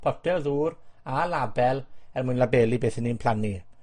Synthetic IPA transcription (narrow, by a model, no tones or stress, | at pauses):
pʰɔtɛðuːɾalabɛlɛrmʊjnlabeːlibeːθənːiːnpʰl̥ani